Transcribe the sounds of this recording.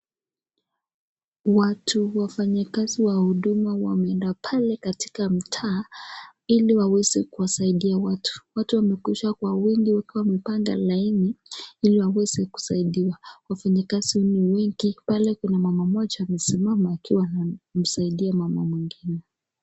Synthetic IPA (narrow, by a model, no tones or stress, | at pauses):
watʰuwafaɲakaziwahuɗumawa̰mɛɛndapʰalɛkati̥kam̩tʰaː | iliwawɛzɛkuwasaiɗiawatu̥watuwamɛkwiʃwakwawɛŋɡiwakiwawmɛpaŋɡa̰lainiiliwawɛz̥ɛku̥saiɗiwawafaɲakazihɔniwɛŋɡ̥ipalɛkɛnamamamat͡ʃɔam̩simamaakiwanam̩saiɗiamamɔmwiŋɡinɛ